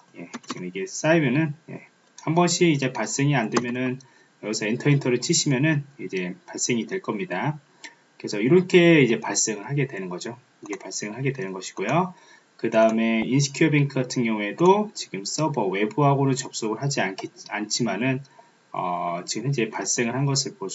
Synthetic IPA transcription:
je̞̰t͡ɕiɡɯmiɡe̞s͈aibjʌnɯnje̞̰ | hambʌnɕʰiːd͡ʑe̞paɭs͈e̞ŋiandwemjʌnɯn | jʌɡisʰʌintʰʌintʰʌɾɯɭt͡ɕʰiɕʰimjʌnɯnid͡ʑe̞paɭs͈e̞ŋidwe̞ɭk͈ʌmɲida | kɯɾe̞sʰʌiɾʌnkʰe̞id͡ʑe̞paɭs͈eŋɯɭɦhaɡe̞dwe̞nɯnɡʌd͡ʑo | ʌkʰepaɭs͈e̞ŋɯɭɦaɡe̞dwe̞nɯnɡʌɕʰi̥ɡ̥ojo | kɯdaɯme̞ins̬ʰi̥kʰiʌbiŋkʰɯɡatʰɯŋɡjʌŋue̞dot͡ɕiɡɯms͈ʌbʌwe̞buɦaɡonɯnt͡ɕʌp̚s͈oɡɯɭɦad͡ʑiankʰeant͡ɕʰimanɯn | ʌ̰t͡ɕiɡɯmhend͡ʑepaɭs͈e̞ŋɯɭhanɡʌsʰɯɭpo

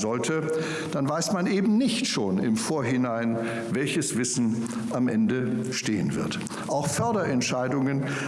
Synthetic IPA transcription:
zɔltʰə | d̥anvaɪsmanʔeːbm̩nɪçtʃoːnɪ̰mfoːɐɦɪnaɪn | vɛlçəsv̥ɪsn̩ | ʔamʔɛndəʃtḛːə̰nvɪ̰ɐt | ʔaʊxfœɐdɐʔɛntʃaɪdʊŋən

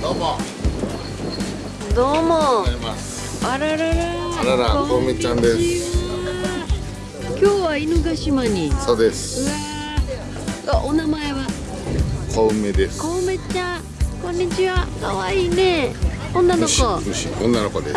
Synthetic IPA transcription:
d̪oːmo | d̪oːmoas | aɾaɾaɾaaɾaɾakooɯmet͡ɕãnd̪esaa | kʲo̞ːβainɯɡaɕimaɲ̟iso̞ːd̪esɨ̥ɯa | aʔonamae̞βa | kʰoɯmed̪eskoɯme̞t͡ɕã | kõ̞ɲ̟ːit͡ɕiβakaβaiːne | õnːanokoɯɕḭõnːanokod̪e

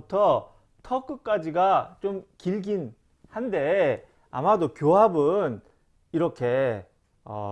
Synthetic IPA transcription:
tʰʌ | tʰʌk͈ɯk̚k͈ad͡ʑiɡat͡ɕomkiɭɡin | hande̞ | a̰madokjoɦabɯn | iɾʌkʰe̞ | ʌ̰

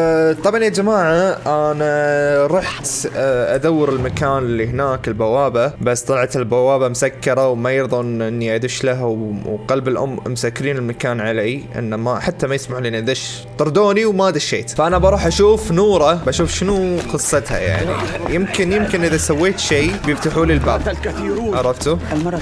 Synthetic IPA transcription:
t̪ˤɑbʕanjad͡ʒamaːʕaʔanaɾˤɑːħt̪ʔad̪awːɪɾɪlmakaːnɪlːiɦɪnaːkɪlbawaːbabast̪ˤɑlʕat̪ɪlbawaːbamʊsakːɑɾˤawmajɪɾðˤɑʔɪnːiʔad̪ɪʃlaɦwqɑlbɪlʔʊ̰mːmʊsakːɪɾiːnɪlmakaːnʕalaʔɪ̰nːamaħat̪ːamajɪsmaħliʔniʔd̪aʃ | t̪ʊɾˤd̪oːniwmad̪aʃeːt̪faʔanabɑɾˤuːħʔaʃuːfnuːɾˤɑbʔaʃuːfʃɪnuqɨsˤːɑt̪ha̰ja̰ʕnḭjɪmkɪnjɪmkɪnʔɪðasawːeːt̪ʃeːbjɪft̪aħuːlilbaːb | ʕɑɾˤɑft̪u

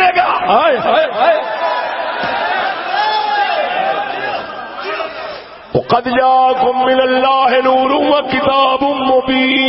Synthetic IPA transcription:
eka | wɑqɑd̪d͡ʒaːkʊmːɪnalːaːɦɪnuːɾʊwakɪt̪aːbʊmʊbiː

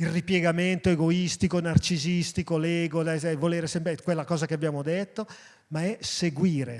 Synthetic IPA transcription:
ilripjeɡament̪oeɡoist̪ikonart͡ʃizist̪ikolɛːɡod̪ɛsɛvoleːɾesɛmpɾekwelːakɔːzakeabjaːmod̪et̪ːo | maɛseɡwiːɾe

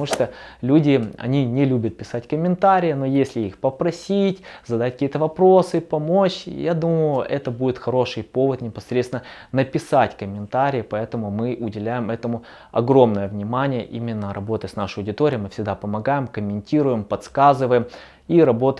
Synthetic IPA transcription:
uʂt̪olʲudʲɪɐ̰nʲinʲɪlʲubʲət̪̚pʲɪsatʲkəmʲɪnt̪aɾʲɪjəno̞jesʲlʲɪixpəpɾɐsʲitʲzɐd̪ɐat̚ʲkəkʲijət̪əvɐpɾosɨpɐmo̞t͡ɕjad̪uməjjʊʔɛt̪əbudʲɪt̪xɐɾo̞ʂɨjpo̞vət̪nʲɪpɐsɾʲet̪sɪnənəpʲɪsatʲkəmʲɪnt̪aɾʲɪjəpɐɛt̪əmʊmɨʔʊdʲɪlʲæjɪmɛt̪əmʊ | ɐ̰ɡɾo̞mnəjəvnʲɪmanʲɪjə̰ʔimʲɪnːəɾʔɐbo̞t̪ətʲsnaʂɨəɐʊdʲɪt̪oɾʲɪəmɨfsʲɪɡ̚d̪apəmɐɡajɪmkəmʲɪnʲtʲiɾʊjɪmpɐt̪skazɨvəjɪm | iɾɐbo̞t̪

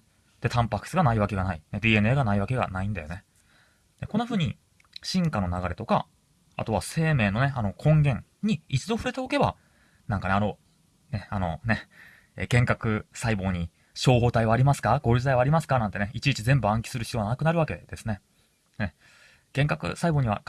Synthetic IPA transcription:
d̪̥e̞t̪ʰãmpakɯ̥sɨɡanaiβake̞ɡanained̪ʲiːe̞neːɡanaiβake̞ɡa̰naĩnd̪a̰jo̞ne̞ | d̪eko̞nːaɸɯ̟ːɲ̟i | ɕĩŋkanonaɡaɾe̞t̪o̞ka̰ | a̰t̪o̞βa̰se̞ːme̞ːno̞ne̞ano̞kʰõ̞ŋɡẽ̞ŋɲ̟iit͡sɨd̪o̞ɸɯ̟ɾe̞t̪e̞oke̞ba̰ | nãŋkane̞ano̞ | ne̞ano̞̰ne̞ | ḛkẽ̞ŋkakɯ̟saibo̞ːɲ̟i | ɕo̞ːɦo̞ːt̪aiβaːɾʲimasɨ̥kaɡoɾʲɯzɨt̪aiβaːɾʲimasɨ̥kanãnt̪e̞neit͡ɕiit͡ɕizẽ̞mbɯ̟ãŋkʲi̥sɨɾɯ̟çi̥t̪oɡanakɯ̟naɾɯ̟β̞ake̞̰d̪̥e̞sɨne̞ | ne̞ | ɡ̥ẽ̞ŋkakɯ̟̰saibo̞ːɲ̟iβa̰

